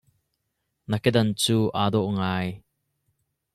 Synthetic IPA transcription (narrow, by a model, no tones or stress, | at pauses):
nɐkɛd̪ɐnt͡suːʔaːd̪ɔʔŋaːj